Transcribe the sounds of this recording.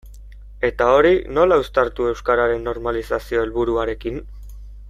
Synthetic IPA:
e̞t̪ao̞ɾino̞laust̪aɾt̪ue̞wskaɾaɾe̞nːo̞ɾmalisasio̞e̞lβuɾuaɾe̞kin

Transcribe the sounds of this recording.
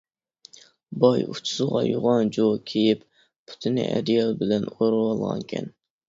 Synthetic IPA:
bɑjut͡ʃʰu̥sɨʁɑ̰joʁɑnd͡ʒokʲʰejip | pʰu̥t̪ʰɪnɪ̰ʔæ̰d̪ɪjɑlˠbɪlɛnoɾɨwɑlˠʁɑ̰ŋkʲʰɛ̰n

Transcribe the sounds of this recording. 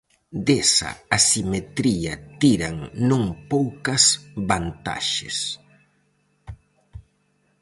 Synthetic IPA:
d̪esɐ̰asimet̪ɾiɐt̪iɾɐŋnũŋpowkɐsβant̪a̰ʃḛs

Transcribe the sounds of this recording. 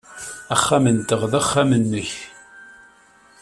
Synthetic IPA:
æχːamənt̪əʁðæχːamənːəç

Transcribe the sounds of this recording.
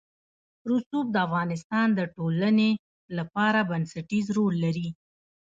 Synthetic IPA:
ɾusub̚d̪əafɣɑnɪst̪ɑnd̪əʈoləne | lapɑɾabansaʈizɾolːaɾi

